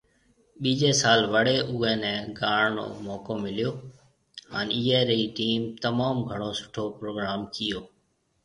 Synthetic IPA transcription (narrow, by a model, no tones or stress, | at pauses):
ɓiːd͡ʒeːsaːlʋəɽeːʔʊːẽːnɛ̃ːɡaːɳno̰ːmɔːkoːmɪlɪjoː | ɦaːniːeːɾeiːʈiːmt̪əmaːmɡʱəɽ̃oːsʊ̥ʈʰoːpɾoːɡɾaːmkɪjoː